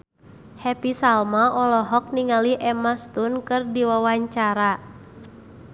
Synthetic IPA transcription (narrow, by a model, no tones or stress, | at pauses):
hɛpisalmaʔɔlɔɦɔk̚niŋaliʔɛmast̪unkɨrdiwawaɲt͡ʃaɾa